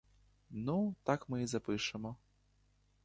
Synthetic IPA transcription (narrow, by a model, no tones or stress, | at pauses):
nut̪akmɨizapɨʂɨmɔ